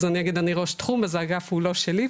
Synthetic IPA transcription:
zanijaɡid̪aniʁoʃt̪χumazaɡafuloʃeli

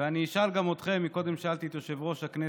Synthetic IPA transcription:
eaniiʃalɡamo̞t̪χe̞mːiko̞d̪e̞mʃealt̪it̪oʃevʁo̞ʃakne

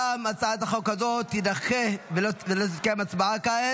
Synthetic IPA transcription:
amat͡saat̪aχokazot̪id̪aχevovelot̪̬izkemat͡sbaakae

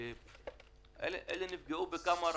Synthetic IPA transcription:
e | ɛ̰lʔɛ̰lenifɡeubekamaɾ

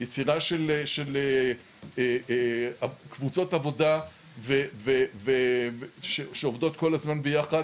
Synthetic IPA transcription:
jet͡siʁaʃeleʃele | e | akvut͡so̞tavo̞da | veveveʃeʃeovdo̞tko̞lazmanbejaχad

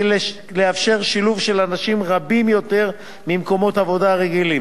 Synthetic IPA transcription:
leafʃe̞ʁʃiluvʃe̞lanaʃimʁabimjo̞t̪e̞ʁ | mimko̞mo̞t̪avo̞daʁeɡilim

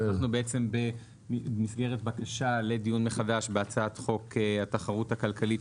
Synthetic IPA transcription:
naχnubeet͡se̞mbe | misɡe̞ʁetbakaʃale̞dijunme̞χadaʃbeat͡saat̪χo̞keataχaʁuthakalkalit

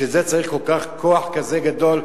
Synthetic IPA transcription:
ezet͡saʁiχkolkaχkʰoaħkazeɡad̪ol

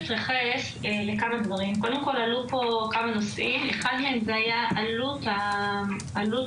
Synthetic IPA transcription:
t͡sʁiχes | le̞kamad̪vaʁimko̞d̪e̞mko̞lalupo̞kamano̞sʔimeχadmeemzeajaʔaluta | alu

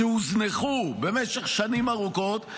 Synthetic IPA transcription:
ehuzneχube̞meʃeχʃanimaʁuko̞t̪

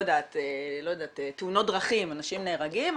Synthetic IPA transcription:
jdaːt̪elo̞jad̪aːt̪etːeuno̞t̚dʁaχimanaʃimneːʁaɡim

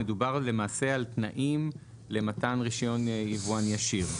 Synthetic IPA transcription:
edubaʁle̞maːse̞altnaʔim | le̞matanʁiʃjo̞nivuanjaʃiʁ

